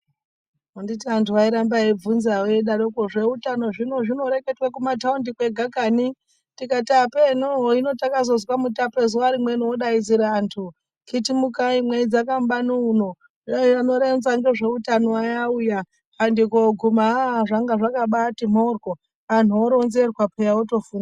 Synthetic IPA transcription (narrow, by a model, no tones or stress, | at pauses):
onditiantʰuʋaiɾambaeb͡vunzaweiɗaɾokoʐe̞utano̞ʐino̞ʐino̞ɾe̞ketwakumataundikwe̞ɡʱakani | tikatapenoɦino̞takazo̞zwamutape̞zuwaɾimwenooɗaiziɾaːntʰu | kitimukaimweid͡zakambanuuno̞ | ano̞ɾenzaŋɡe̞ʐe̞utanoajauja | pandikoɡʱumaʐaŋɡaʐakaɓatimorɡo | an̤uoɾo̞nze̞rwapejaoto̞fuːna